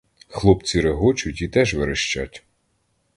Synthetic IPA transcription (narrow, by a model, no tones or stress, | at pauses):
xlˠɔpt͡sʲiɾeɦɔt͡ʃʊtʲit̪ɛʒʋɪɾeʃt͡ʃa̰tʲ